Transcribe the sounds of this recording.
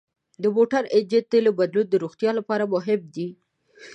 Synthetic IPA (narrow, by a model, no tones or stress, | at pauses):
d̪əmoʈaɾɪd͡ʒet̪ːelebad̪lut̪̚d̪əɾoxt̪jɑlapɑɾamʊɦɪb̚d̪i